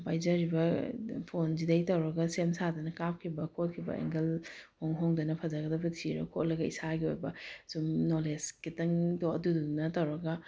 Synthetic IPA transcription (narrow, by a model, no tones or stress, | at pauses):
pajd͡ʒɐɾibɐpʰonzidɐjtɐwɾɐɡɐsemsadɐnɐkap̚kʰibɐkʰot̚kʰibɐ̰ḛŋɡɐlhoŋɦoŋdɐnɐpʰɐzaɡɐdɐbɐtʰiɾɐ̰kʰotlɐɡɐḭsaɡio̰jbɐsumnoleskitɐŋdoɐ̰dudunɐtɐwɾɐɡɐ